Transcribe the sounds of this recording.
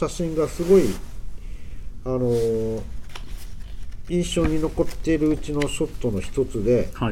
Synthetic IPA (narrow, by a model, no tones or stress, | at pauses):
ɕaɕĩŋɡasɨɡo̞i | ano̞ | ĩɰ̃ɕo̞ːɲ̟ino̞ko̞t̪ːe̞ɾɯ̟ɯt͡ɕino̞ɕo̞t̪ːo̞no̞çi̥t̪o̞t͡sɨd̪e̞